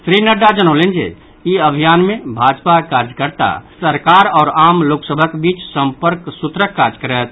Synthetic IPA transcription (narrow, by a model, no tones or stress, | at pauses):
sɾinəɖad͡ʒənəʊlend͡ʒḛ | iəbʱijaːnmẽbʱaːd͡ʒpakaɾd͡ʒkəɾt̪a̰səɾkaːɾɔːɾaːmloːksəbʱəkbiːt͡ʃsə̃mpəɾksʊt̪ɾəkːaɾd͡ʒkəɾət̪̚